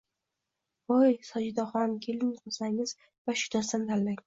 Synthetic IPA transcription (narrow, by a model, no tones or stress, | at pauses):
ojsɒd͡ʒɪd̪ɒχɒnkʲʰelɪŋzqʰɒsaŋɪz̥ | vaʃʊ̥d̪asand̪ʰalːaŋ